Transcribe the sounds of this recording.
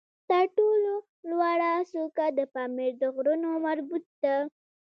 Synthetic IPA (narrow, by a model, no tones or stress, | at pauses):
t̪əɾʈolo | lwaɽasokad̪əpɑmiɾd̪əɣɾunomaɾbut̪̚d̪a